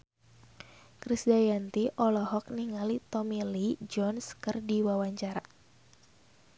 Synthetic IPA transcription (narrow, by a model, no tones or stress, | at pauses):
kɾisdajant̪iʔɔlɔɦɔk̚niŋalit̪ɔmilid͡ʒɔnskɨrdiwawaɲt͡ʃaɾa